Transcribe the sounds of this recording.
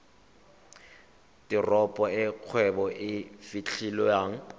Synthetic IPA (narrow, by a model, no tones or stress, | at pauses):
tɪrɔpʼɔɪq͡χʰwɛbɔʔɪfit͡ɬʰilɔjaːŋ̩